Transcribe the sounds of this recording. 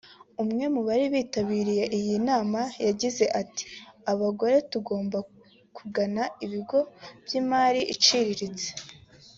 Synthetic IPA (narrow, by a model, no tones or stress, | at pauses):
umŋe̞muβaɾiβiːtaβiːɾije̞ʔijinaːmajaɟize̞ʔati̥aβaɡo̞ɾe̞tuɡo̞ːmba | kuɡanaiβiɡo̞b̥jimaːɾiʔit͡ʃiɾiɾit͡se̥